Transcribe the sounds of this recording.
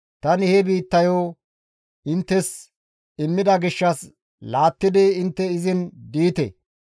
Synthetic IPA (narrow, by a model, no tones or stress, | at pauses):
t̪ɐnɪhɛbiːt̪ːɐjo | ɪnt̪ːɛs | ɪmːɪd̪ɐɡɪʃːɐs | laːt̪ːɪd̪ɪɪnt̪ːɛɪzɪnd̪iːt̪ɛ̰